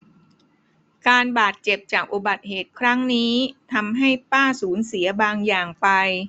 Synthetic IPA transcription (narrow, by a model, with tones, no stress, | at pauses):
kaː˧nbaː˨˩t̪̚t͡ɕe˨˩p̚t͡ɕaː˨˩k̚ʔu˨˩ba˨˩t̪̚heː˨˩t̪̚kʰɾa˦˥ŋniː˦˥t̪ʰa˧mɦa˥˩jpaː˥˩suː˩˦nsi˨˩˦ɐbaː˧ŋjaː˨˩ŋpa˧j